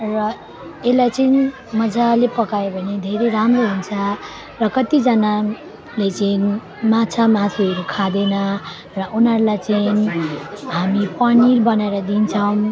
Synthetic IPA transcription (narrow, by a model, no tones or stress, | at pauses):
rʌ | elajt͡sʌini | mʌd͡zalepʌkajobʱʌned̪ʱeɾeɾamroɦunt͡sʰʌ | rʌkʌt̪id͡zʌna | let͡sʌin | mat͡sʰamat͡sʰiʌɾukʰad̪enʌ | rʌʔunʌɾulajt͡sʌin | ɦamipʌnirbʌnaeɾʌd̪int͡sʰʌw̃